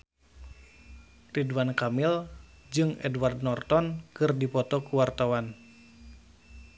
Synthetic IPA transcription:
ridwankamild͡ʒɨŋɛ̰dward̚nɔrt̪ɔnkɨrdipɔt̪ɔkuwart̪awan

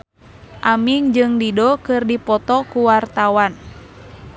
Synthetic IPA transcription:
ʔamiŋd͡ʒɨŋdidɔkɨrdipɔt̪ɔkuwart̪awan

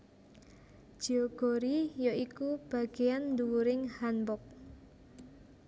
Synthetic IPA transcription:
ʒ̥ioɡ̥o̤ɾijɔikub̥a̤ɡ̥ejand̪uwuɾɪŋhanbɔk̚

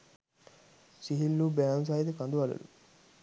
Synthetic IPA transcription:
siɦilːubæans̬ajid̪əkand̪uʋalṵlu

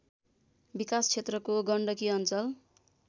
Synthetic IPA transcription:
bikast͡sʰet̪rʌkoɡʌɳɖʌkiʌnt͡sʌl

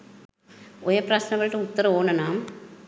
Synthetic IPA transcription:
ʊjɐpɾasnɐʋɐɭʈːɯʊt̪ːɐɾɐoːnɐnaːm

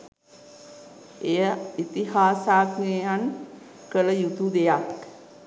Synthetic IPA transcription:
ejəit̪iɦaːsaːknejan | kələjut̪ud̪ejak

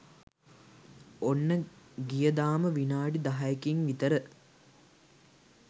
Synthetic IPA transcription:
onːəɡijəd̪aːməʋinaːɖid̪aɦajəkiŋʋit̪əɾə

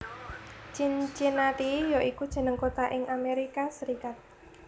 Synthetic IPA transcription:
t͡ʃint͡ʃɪnat̪ijoʔikud̥ʒ̥ə̤nəŋkot̪aʔɪŋʔameɾikasəɾikat̪̚

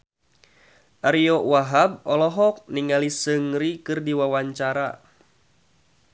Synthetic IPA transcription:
ʔaɾiɔwaɦab̚ɔlɔɦɔk̚niŋalisəŋɾikɨrdiwawaɲt͡ʃaɾa

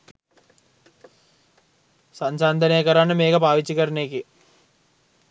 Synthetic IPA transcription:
sɐɲt͡ʃaːnd̪ʱɐneːkɐɾaːnːɐmeːɡɐbaːʋit͡ʃːikɐɾneːki

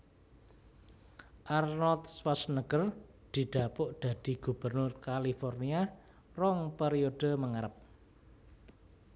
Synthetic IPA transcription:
ʔarnɔlt̪̚swasnəɡ̥ər | d̪̥i̤ɖ̪̥a̤pʊʔd̪̥a̤d̪̥i̤ɡ̥ub̥ərnʊrkalifɔrnia | rɔŋpeɾiod̥ə̤məŋaɾəp̚

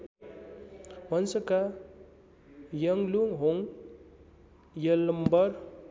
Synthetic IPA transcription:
wʌnsʌka | jʌŋluŋɦoŋ | jʌlmbʌɾ

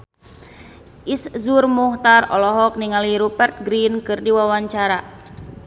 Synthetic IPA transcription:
ʔiszurmuht̪arɔlɔɦɔk̚niŋaliɾubɛrt̪̚ɡɾinkɨrdiwawaɲt͡ʃaɾa

